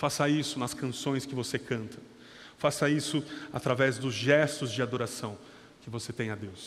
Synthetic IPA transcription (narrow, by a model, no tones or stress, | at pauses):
fasɐisʊnɐskɐ̃sõj̃skɪvosekɐ̃nt̪ʰɐ̥ | fasɐisʊat̪ɾavɛzd̪ʊzʒɛst̪ʊzd͡ʒɪad̪oɾasɐ̃w̃ | kɪvoset̪ẽj̃ɐd̪ews